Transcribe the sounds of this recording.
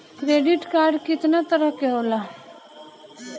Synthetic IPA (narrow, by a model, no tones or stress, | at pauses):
kɾeːɖɪʈkaːɾɖkɪt̪nat̪əɾəɦkeɦoːlaː